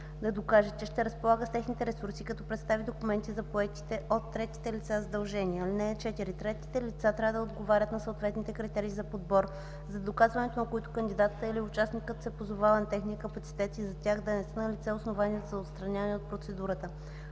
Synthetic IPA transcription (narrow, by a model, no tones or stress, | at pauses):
d̪ɐd̪okaʒət͡ʃɛʃt̪ɛɾəspolˠaɡəst̪ɛxnit̪ɛɾɛsuɾsikɐt̪ɔpɾɛt̪st̪avid̪okumɛnt̪izɐpoɛk̪i̥t̪ɛot̪ːɾɛt̪i̥t̪ɛlit̪sazɐd̪ɐlˠʒɛniɛlinɛt͡ʃɛt̪iɾit̪ɾɛt̪i̥t̪ɛlit̪sat̪ɾʲavəd̪ɐod̪ɡovaɾʲət̪nɐsoːt̪vɛt̪nit̪ɛkɾit̪ɛɾiːzɐpod̪bɔɾ | zɐd̪okazvɐnɛt̪onɐkoit̪ʊ̥kənd̪ʲid̪at̪t̪əiliʊt͡ʃasnikət̪sɛpozovavɐnɐt̪ɛxniəkɐpɐt̪si̥t̪ɛt̪izɐt̪ʲaxd̪ɐnɛsənəlit̪sɛosnovaniəzɐot̪st̪ɾɐnʲanɛot̪̚pɾot̪sɛd̪uɾət̪ə